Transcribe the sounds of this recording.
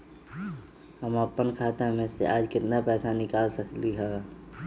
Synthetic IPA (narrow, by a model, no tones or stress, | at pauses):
həməpːənkʰaːt̪amẽsḛʔaːd͡ʒkɪt̪napɛːsanɪkaːlsɐkliɦɛː